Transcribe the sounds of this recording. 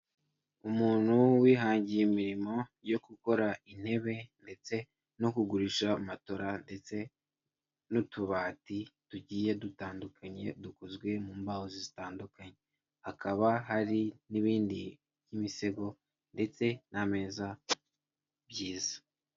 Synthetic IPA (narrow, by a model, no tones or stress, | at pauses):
umuːn̥huwiːɦaːɲɟijemiɾimo̞jo̞kuko̞ɾain̥he̞βe̞nde̞t͡se̞ | no̞kuɡuɾiʃamato̞ɾande̞t͡se̞ | notuβaːtituɟiːje̞dutaːndukaɲe̞dukozɡwe̞muːmbahozizitaːndukaɲe̞ | hakaβaɦaɾiniβiːndi | βjimise̞ɡo̞ | nde̞t͡se̞name̞ːza | bjiːzḁ